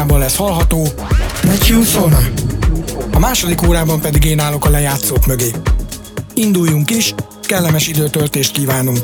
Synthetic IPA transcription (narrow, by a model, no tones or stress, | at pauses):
aːbɒnlɛshɒlɦɒt̪oː | nɛt͡ʃusona | ɒmaːʃo̞d̪ikoːɾaːbɒmpɛd̪iɡeːnaːlo̞kɒlɛjaːt̪soːkmø̞ɡeː | ind̪ujːuŋkiʃ | kɛlːɛmɛʃid̪øːt̪ølt̪eːʃt̪̚kiːvaːnoŋk